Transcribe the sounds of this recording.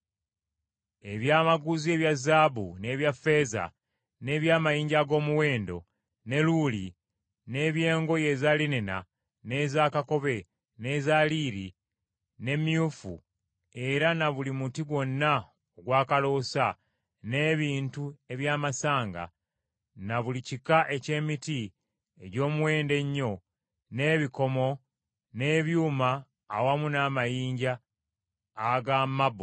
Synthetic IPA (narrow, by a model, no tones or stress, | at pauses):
e̞βjaːmaɡuzie̞βjazaːβune̞ːβjafe̞ːza̰ | ne̞ːβjaːmajiːɲɟaɡo̞ːmuwe̞ːndo̞̰ | ne̞luli | ne̞ːβje̞ːŋɡo̞je̞zalinena̰ | ne̞ːzaːkako̞βe̞ | ne̞ːzaːliːɾi | ne̞mjufṵ | e̞ɾanaβulimutiɡwo̞nːa | oɡwaːkalo̞ːsa | ne̞ːβiːntue̞βjaːmasaːŋɡa̰ | naβulicikaʔe̞ce̞ːmiti | eɟo̞ːmuwe̞ːnde̞ɲːo̞ | ne̞ːβiko̞mo̞ | ne̞ːβjuːmaː | wamunaːmajiːɲɟaː | ɡamabo